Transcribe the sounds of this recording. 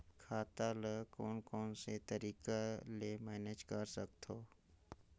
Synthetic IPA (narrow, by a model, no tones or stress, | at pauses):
kʰaːt̪aləkɔːnkɔːnset̪əɾiːkalemɛːneːd͡ʒkəɾsək̚t̪ʰoː